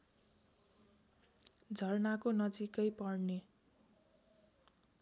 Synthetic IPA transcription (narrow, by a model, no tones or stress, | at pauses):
d͡zʱʌrnakonʌd͡zikʌjpʌrne